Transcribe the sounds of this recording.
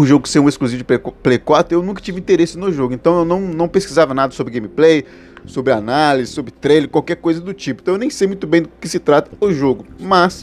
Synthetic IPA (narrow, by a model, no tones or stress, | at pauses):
ʊʒoɡʊkɪ̥seũeskluzivʊd͡ʒɪplejkwat̪ɾʊewnũkɐ̥t͡ʃivɪĩnt̪eɾesɪnʊʒoɡʊẽnt̪ɐ̃w̃ewnɐ̃w̃nɐ̃w̃peskizavɐnad̪ɐsobɾɪɡẽjmiplej | sobɾɪanalizɪsobɾɪt̪ɾejleɾkwawkɛɾkojzɐd̪ʊt͡ʃipʊ̃t̪ɐ̃ewnẽj̃sejmũt̪ʊbẽj̃d̪ʊkɪsɪt̪ɾat̪ɐ̥ʊʒoɡʊmɐs